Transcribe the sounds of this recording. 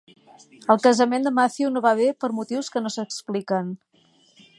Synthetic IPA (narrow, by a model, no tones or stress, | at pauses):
əlˠkəzəmend̪əmaθiunoβaβepəɾmut̪iwskənosəksplikən